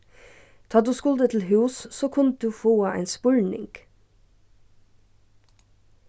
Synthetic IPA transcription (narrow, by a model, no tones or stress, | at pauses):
t̪ʰɑːd̪ʉːskʊld̪ət̪ʰl̩hʉːssoːkʰʊn̚d̪ʉːfoːɑʔæ̰ɪnspʉlnɪ̰ŋɡ̥